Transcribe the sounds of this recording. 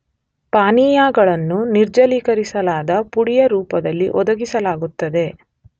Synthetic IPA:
paːniːjaːɡɐɭɐnːuniɾd͡ʒɐliːkɐɾisɐlaːd̪ɐpuɽijɐɾuːpɐd̪ɐlːiʔɔd̪ɐɡisɐlaːɡut̪ːɐd̪e̞

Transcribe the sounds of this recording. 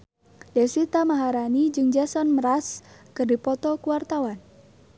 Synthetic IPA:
dɛswit̪amaɦaɾanid͡ʒɨŋd͡ʒasɔnməɾaskɨrdipɔt̪ɔkuwart̪awan

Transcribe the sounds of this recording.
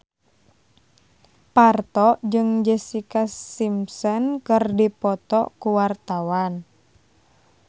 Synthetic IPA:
part̪ɔʔd͡ʒɨŋd͡ʒɛsikasimsɔnkərdipɔt̪ɔkuwart̪awan

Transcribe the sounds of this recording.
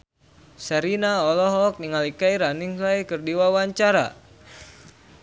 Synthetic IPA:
sɛɾinaɔlɔɦɔk̚niŋalikaiɾaniŋlaikɨrdiwawaɲt͡ʃaɾa̰

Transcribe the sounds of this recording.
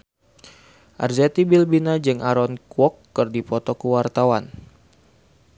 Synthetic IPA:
ʔa̰rzat̪ibilbinad͡ʒɨŋʔaɾɔnkwɔkːɨrdipɔt̪ɔkəwart̪awan

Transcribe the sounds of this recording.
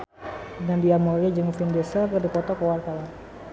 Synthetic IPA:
dandiamoɾid͡ʒəŋfindesəlkərdipɔt̪ɔkowarkala

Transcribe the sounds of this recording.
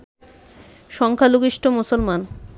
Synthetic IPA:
ʃɔŋkʰaluɡiʃʈʰomusolman

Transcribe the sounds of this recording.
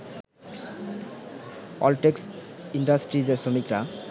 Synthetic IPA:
ɔ̰lʈeksiɳɖasʈɾid͡ʑeɾsomikɾa

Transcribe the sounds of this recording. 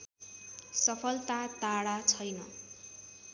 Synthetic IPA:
sʌpʰʌlt̪at̪aɽat͡sʰʌjnʌ

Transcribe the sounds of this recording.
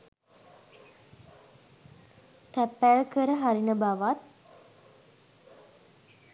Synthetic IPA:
t̪æpːælkəɾəɦaɾinəbaʋat̪̚

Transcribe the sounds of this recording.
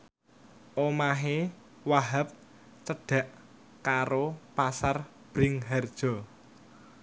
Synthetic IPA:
ʔomaɦe | waɦap̚ | t͡ʃəɖ̥ä̤ʔ | kaɾopasar | b̥ɾɪŋɦɛrd̥ʒ̥ɔ̤

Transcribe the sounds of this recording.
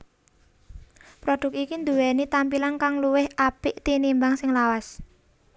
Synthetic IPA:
pɾɔɖ̥ʊ̤k̚ikind̪uwɛnit̪ampilankaŋluwɪhʔapɪʔt̪inimbaŋsɪŋlawas

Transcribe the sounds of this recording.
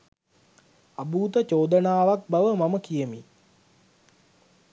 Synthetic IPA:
abuːt̪ət͡ʃoːd̪ənaːʋak̚baʋəmaməkijəmi

